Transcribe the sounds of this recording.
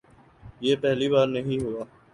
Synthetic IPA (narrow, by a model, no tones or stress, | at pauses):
jeːpɛɦliβaːɾnəɦĩɦoːaː